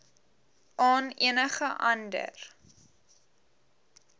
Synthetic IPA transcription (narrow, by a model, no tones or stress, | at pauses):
ʔɑːniənəχəʔɐndə̰r